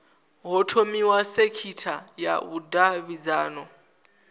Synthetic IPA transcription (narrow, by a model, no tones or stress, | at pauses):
ɦɔtʰomiwasekʰitʰaja̰βudaβid͡zaːnɔ